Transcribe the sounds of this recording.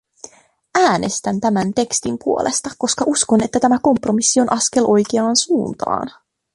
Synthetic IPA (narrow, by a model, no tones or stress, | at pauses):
ʔæːne̞st̪ænt̪æmænt̪e̞kst̪impuo̞lʔe̞st̪ɑkkːo̞skɑʔusko̞ne̞t̪ːæt̪æmæko̞mpro̞misːio̞nʔɑske̞lʔo̞jk̟eɑːnsuːnt̪ɑ̰ːn